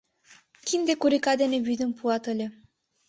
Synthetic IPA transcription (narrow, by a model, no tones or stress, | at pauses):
kʲind̪ekuɾikɑd̪enʲeβyd̪ɘ̆mpuɑt̪ɤ̆lʲĕ